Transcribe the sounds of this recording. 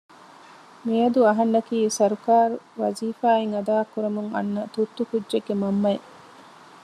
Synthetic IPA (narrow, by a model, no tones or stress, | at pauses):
miɐd̪uɐɦɐnːɐkiːsɐɾukaːɾuʋɐ̰ziːfaːeŋɐd̪aːkːuɾɐmuŋɐ̰nːɐt̪ut̪ːukudʒeɡːemɐmːɐe